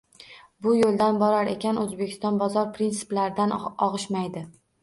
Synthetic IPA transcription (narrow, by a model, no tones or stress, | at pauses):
bʊjolˠd̪anbɒɾaɾe̞kʲʰanɵzbe̞kʲʰɪst̪ɒnbɒzɒɾpʰɾinsɪ̥plaɾɪd̪anɒʁɨʃmajd̪ɪ